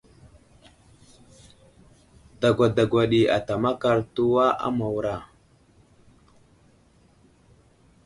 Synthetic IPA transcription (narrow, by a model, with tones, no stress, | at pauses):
da˨ɡʷa˨da˨ɡʷa˨ɗi˨a̰˨ta˨ma˦ka˨ɾtu˦wa˦ʔa̰˦ma˨wɾa˨